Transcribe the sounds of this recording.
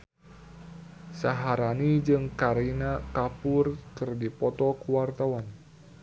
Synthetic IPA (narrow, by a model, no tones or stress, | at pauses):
saɦaɾanid͡ʒɨŋkaɾinakapʊrkɨrdipɔt̪ɔkuwart̪awan